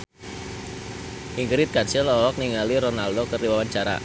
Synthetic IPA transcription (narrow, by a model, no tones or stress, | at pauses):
ʔiŋɡɾit̪̚kansɪlɔwɔk̚niŋaliɾɔnaldokərdiwawaɲt͡ʃaɾa̰